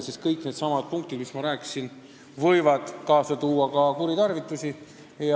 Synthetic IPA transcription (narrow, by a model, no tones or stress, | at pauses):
siskɤjkned̪sɑmɑd̪̥̚puŋk̚t̪id̪̥mismɑɾæːkːi̥sin | vɤjvɑd̪̥kɑːsɑt̪uːɑkɑkuɾit̪ɑrvit̪ːˑusʲi | jɑ